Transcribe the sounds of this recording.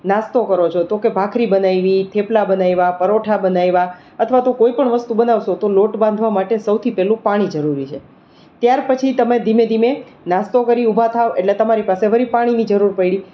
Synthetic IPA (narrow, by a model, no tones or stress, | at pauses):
nast̪okəɾot͡ʃʰot̪okebʱakʰɾibənajʋit̪ʰeplabənajʋapəɾoʈʰabənajʋa | ət̪ʰʋat̪okoipəɳʋəst̪ubənaʋʃot̪oloʈbãnd̪ʱʋamaʈesəwt̪ʰipɛlũpaɽ̃id͡ʒəɾuɾit͡ʃʰe | t̪jaɾpət͡ʃʰit̪əmed̪ʱimed̪ʱime | nast̪okəɾiubʱat̪ʰaʋeʈlet̪əmaɾipaseɦəɾipaɽ̃inid͡ʒəɾuɾpəiɽi